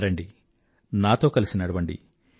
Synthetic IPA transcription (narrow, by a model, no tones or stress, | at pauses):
ɾɐɳɖi | naːt̪o̞ːkɐlisinɐɽɐbɐɳɖḭ